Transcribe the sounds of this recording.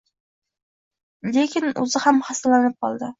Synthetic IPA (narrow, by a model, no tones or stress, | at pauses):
lekʲɪnɵ̰zɪhamhasalanɪp̚qʰɒlˠd̪ɪ